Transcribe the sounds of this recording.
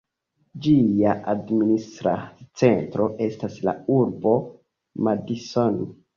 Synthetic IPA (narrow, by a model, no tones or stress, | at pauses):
d͡ʒijaʔadministɾa̰t͡se̞ntɾo̞ʔe̞stasla̰uɾbo̞ | madison